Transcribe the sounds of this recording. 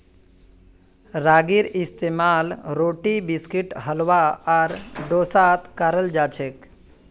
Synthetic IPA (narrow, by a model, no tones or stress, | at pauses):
ɾaːɡiɾɪst̪eːmaːlɾoːʈibiskiʈɦəlwaaɾɖoːsat̪kaɾəld͡ʒaːt͡ʃʰek